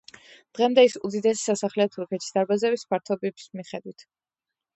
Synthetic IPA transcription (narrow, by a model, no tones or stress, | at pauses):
d̪̥ʁɛmd̪ɛisud̪id̪ɛsi̥sasaχlɛɔt̪ʰuɾkʰɛt̪ʰi̥sd̪aɾbazɛbispʰaɾt̪ʰɔbibismiχɛd̪wit̪ʰ